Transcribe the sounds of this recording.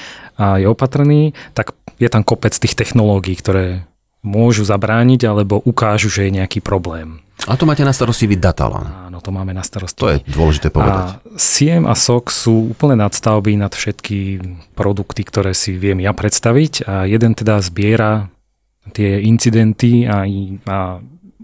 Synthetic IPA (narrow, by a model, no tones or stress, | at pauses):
ajɛɔpat̪r̩niːt̪akjɛt̪amkɔpɛt͡st̪iːxt̪ɛxnɔlɔːɡiːkt̪ɔɾɛː | mʊɔʒuzabɾaːɲiɟalɛbɔʔukaːʒuʒɛjɛɲɛakiːpɾɔblɛːmat̪ɔmaːcɛnast̪aɾɔscibid̪at̪a̰la̰naːnɔt̪ɔmaːmɛnast̪aɾɔscɔjɛ̰d̪ʊɔlɛʒit̪ɛːpɔʋɛ̰d̪a̰siɛma̰sɔksuːuːpl̩ɲɛnat̪st̪aʊbinat̪fʃɛt̪kipɾɔd̪ukt̪ikt̪ɔɾɛːsiʋɪɛmjapɾɛt̪st̪aʋicajɛd̪ɛnt̪ɛd̪azbɪɛɾa | t̪ɪɛint͡sid̪ɛnt̪iaa